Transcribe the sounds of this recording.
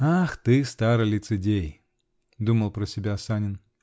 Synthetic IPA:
axt̪ɨst̪aɾɨlʲɪt̪sɨdʲej | d̪uməlˠpɾəsʲɪbʲasanʲɪn

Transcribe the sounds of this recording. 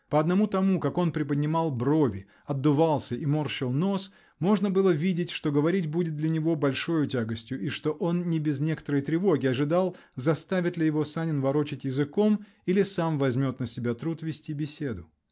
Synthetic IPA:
pəɐd̪nɐmut̪ɐmukako̞npɾʲɪpədʲnʲɪmɑlˠbɾo̞vʲɪ | ɐd̪ːʊvalˠsʲəʔimorɕɪlˠno̞s | mo̞ʐnəbɨlˠəvʲidʲɪtʲʂt̪o̞ɡəvɐɾʲitʲbudʲɪt̪̚d̪lʲɐnʲɪvo̞bɐlʲʂo̞jʊtʲaɡəsʲtʲjʊʔiʂt̪o̞ʔo̞nnʲɪbʲɪznʲe̞kə̥t̪əɾəjt̪ɾʲɪvo̞ɡʲɪɐʐɨd̪alˠ | zɐst̪avʲɪt̪lʲɪjɪvo̞sanʲɪnvɐɾo̞t͡ɕɪtʲjɪzɨko̞m | ilʲɪsamvɐzʲmʲo̞t̪nəsʲɪbʲat̪ɾut̪vʲɪsʲtʲibʲɪsʲe̞d̪ʊ

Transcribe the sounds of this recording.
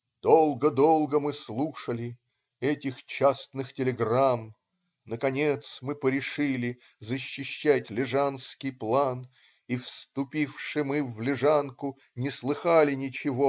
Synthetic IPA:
d̪̥olˠɡəd̪olˠɡəmɨslˠuʂəlʲɪ | ɛtʲɪxt͡ɕast̪nɨxtʲɪlʲɪɡram | nəkɐnʲet̪smɨpəɾʲɪʂɨlʲɪ | zəɕːɪɕːætʲlʲɪʐanskʲɪjplˠan | ifst̪ʊpʲifʂɨmɨvlʲɪʐankʊ | nʲɪslˠɨxalʲɪnʲɪt͡ɕɪvo

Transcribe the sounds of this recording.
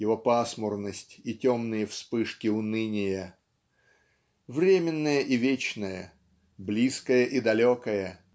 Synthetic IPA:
jɪvo̞pasmʊrnəsʲtʲitʲomnɨjəfspɨʂkʲɪʊnɨnʲɪjə | vɾʲemʲɪnːəjəʔɪvʲet͡ɕnəjə | blʲiskəjəʔid̪ɐlʲokəjə

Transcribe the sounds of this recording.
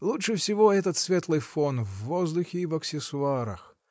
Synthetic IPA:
lˠutʂɨfsʲɪvoɛt̪ət̪svʲet̪lˠɨjfonvːozd̪ʊxʲɪivɐksʲɪsʊaɾə̰x

